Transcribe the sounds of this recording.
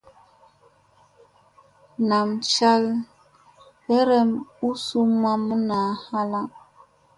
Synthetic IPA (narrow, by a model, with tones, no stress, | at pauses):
na˨m˨t͡ʃa˦l | ɛ˦ɾɛ˦mu˦su˦ma˦mu˦na˨˦ha˦la˦